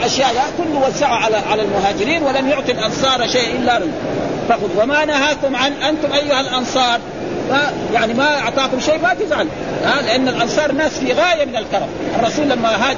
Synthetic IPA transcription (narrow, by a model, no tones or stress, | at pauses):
ʔaʃjaːʔd̪aːʔkʊlːuwazːaʕaʕalaʕalalmʊɦaːd͡ʒɪɾiːnwɪlamjʊʕt̪ˤilʔɑnsˤɑːɾˤaʃeːʔʔɪlːaɾˤ | fɑqʊd̪wamanahaːkʊmʕanʔant̪ʊmʔajːʊhalʔɑnsˤɑːɾˤ | ma | jaʕnimaɑʕt̪ˤɑːkʊmʃeːbaːk̪ɪzʕan | aːlɪʔanːalʔɑnsˤɑːɾˤnaːsfiɣaːjamɪnalkɑɾˤɑmʔɑrˤːɑsuːlːamːaɦaː